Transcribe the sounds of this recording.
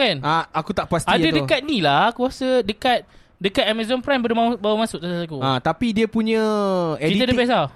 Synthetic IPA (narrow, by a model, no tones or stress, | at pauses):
kanaakut̪aʔpast̪adət̪dəkat̪̚nĩlakuasədəkat̪̚ | dəkat̪̚amazɔnpɾambədumabawamãsʊk̚satasakuãt̪apidiəpuɲə̃ɛkiit̪ədəpɛsa